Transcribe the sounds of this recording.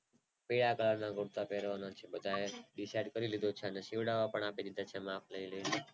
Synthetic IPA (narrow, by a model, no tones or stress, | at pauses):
piɽakəlaɾnaɡʊɾt̪apeɾʋanãt͡ʃʰebəd̪ʱajeɖisaiɖkəɾilid̪ot͡ʃʰanesiʋɽaʋapəɳ̃aːped̪id̪at͡ʃʰemaːpʰləile